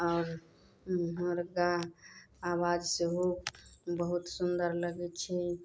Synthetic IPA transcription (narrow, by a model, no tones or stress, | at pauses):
ɔːɾ | ɦəmɾɡaɦ | awad͡ʒseɦokbəɦut̪sund̪əɾləɡɛt͡ʃʰɛ